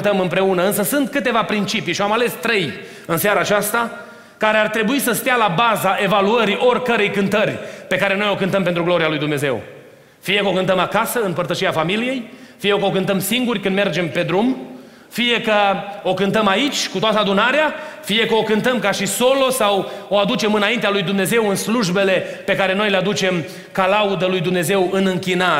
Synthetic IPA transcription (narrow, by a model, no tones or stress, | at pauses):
t̪əmɨmpɾe̞unəɨnsəsunt̪kɨt̪e̞vapɾint͡ʃipiʃiamale̞st̪ɾe̞j | ɨnseaɾaːt͡ʃast̪a | kaɾe̞art̪ɾe̞buisəst̪ealabazaʔe̞valuəɾiʔo̞rʲkəɾe̞jkɨnt̪ərʲpe̞kaɾe̞no̞jo̞kɨnt̪əmpent̪ɾuɡlo̞ɾialujd̪umne̞ze̞̰w | fije̞kəo̞kɨnt̪əmakasəɨnpərt̪əʃiafamilije̞jfijekəokɨnt̪əmsiŋɡurʲkɨnd̪me̞rd͡ʒe̞mpe̞d̪ɾum | fije̞kəo̞kɨnt̪əmait͡ʃʲkut̪oat̪əad̪unaɾeafije̞kəo̞kɨnt̪əmkaʃiso̞lo̞sawoad̪ut͡ʃe̞mɨnaint̪ealujd̪umne̞ze̞wɨnsluʒbe̞le̞pe̞kaɾe̞no̞jle̞ad̪ut͡ʃe̞m | kalaud̪əlujd̪umne̞ze̞wɨnɨŋkʲina